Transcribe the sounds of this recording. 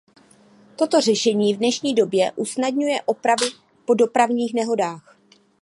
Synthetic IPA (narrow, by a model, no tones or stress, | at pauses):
t̪o̞t̪o̞r̝ɛʃɛɲiːvdnɛʃɲiːdo̞bjɛʔusnadɲujɛʔo̞pɾavɪ | po̞do̞pɾavɲiːxnɛɦo̞daːx